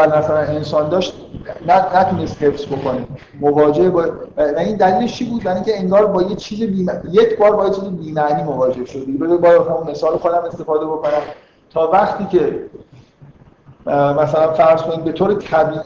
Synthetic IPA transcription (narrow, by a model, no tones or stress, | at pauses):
ælmæsælæne̞nsɒːnd̪ɒːʃt̪̚ | nænæt̪ʰunest̪he̞fsbo̞ko̞ni | movɒːd͡ʒe̞hbɒːævæind̪æliːleʃt͡ʃʰibuːd̪̚bæɾiŋcʲʰe̞eŋɡɒːɾbɒːjet͡ʃʰiːzebiːmæjecʰbɒːɾbɒːjet͡ʃʰiːzebiːmæʔniːmovɒːd͡ʒe̞hʃod̪̚d̪iɡebebɒːjhæmunme̞sɒːloxod̪æme̞st̪e̞fɒːd̪e̞boko̞næm | t̪ʰɒːvæχt̪ʰiːcʰe̞ | mæsælænfæɾz̥kʰoniːd̪be̞t̪ʰoːɾet̪ʰæbiːʔ